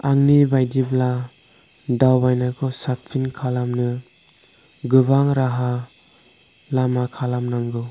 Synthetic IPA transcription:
aŋnibajdibla | dawbajnakʰɔsat̚pʰinkʰalamnɯ | ɡɯbaŋɾaɦa | lamakʰalamnaŋɡɯ

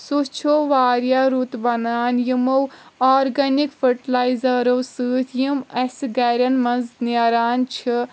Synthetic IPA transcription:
sut͡ʃʰoʋaːɾjaɾut̪bɐnaːnjimowɔːɾɡɐnikfʰəʈilaːizɐɾowsɨːt̪ʰjimɐsɡɛɾɐnmɐnzniɾaːnt͡ʃʰi

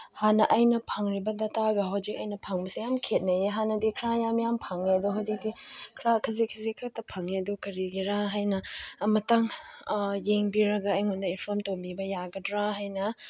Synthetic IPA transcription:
hanɐʔɐjnɐpʰaŋɾibɐdataɡɐɦawzik̚ɐjnɐpʰaŋbɐsijamkʰet̚nɐjeɦanɐdikʰɾajamjampʰaŋedɔɦawzik̚dikʰɾakʰɐzikʰɐzikʰak̚tɐpʰaŋedɔkɐɾiɡiɾaɦajnɐmɐtaŋ | jeŋbiɾɐɡɐːjŋundɐinpʰɔmtombibɐjaɡɐdɾaɦajnɐ

